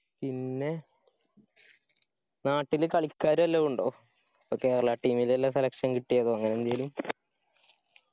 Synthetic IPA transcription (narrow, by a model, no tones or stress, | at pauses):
pinːe̞ | naːʈːilkɐɭikʲːaːɾuɐlːɐuɳɖo̞ː | ke̞ːɾɐɭɐʈːiːmilelːɐselɐkʂɐnkiʈːijɐðoːɐŋːɐnend̪ɐjlum